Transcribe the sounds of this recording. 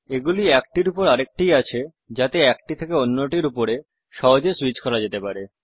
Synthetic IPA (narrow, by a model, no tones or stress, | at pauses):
eɡuliɛk̚ʈiɾupoɾaɾek̚ʈijat͡ɕʰe | d͡ʑat̪eɛkʈit̪ʰekeonːoʈiɾupoɾe | ʃɔɦod͡ʑeswit͡ɕkɔɾad͡ʑet̪epaɾe